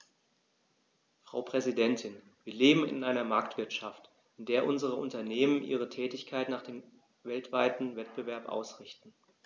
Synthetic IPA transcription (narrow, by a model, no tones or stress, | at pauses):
fʁ̥a̰ʊpʁ̥ɛzidɛntʰɪn | v̥iːɐleːbm̩ɪ̰nʔaɪnɐmaɐk̚tv̥ɪɐtʃaft | ʔɪndeːɐʔʊnzəʁəʔʊntɐneːmənʔḭːʁ̞ətʰɛːtɪçkʰaɪtnaːχd̥eːm | vɛltv̥aɪtn̩vɛt̚b̥əvɛɐpʔa̰ʊsʁɪçtn̩